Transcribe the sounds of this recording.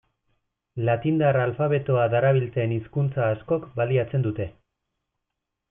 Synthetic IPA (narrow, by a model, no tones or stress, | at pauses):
lat̪ind̪aralfaβe̞t̪oaðaɾaβ̞ilt͡se̞ːniskunt͡saːsko̞kbaliat͡se̞nd̪ut̪e̞